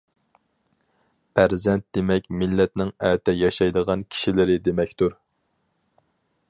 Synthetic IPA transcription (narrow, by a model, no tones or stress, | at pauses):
pʰæɾzɛnt̪̚d̪̥emɛkʲmɪlːɛt̪nɪŋɛt̪ʰɛjɑʃɑjd̪əʁɑnkʲʰi̥ʃilɪɾɪd̪emɛkʲt̪uɾ